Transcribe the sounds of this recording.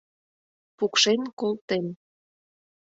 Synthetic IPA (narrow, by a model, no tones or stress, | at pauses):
pukʃenkolt̪en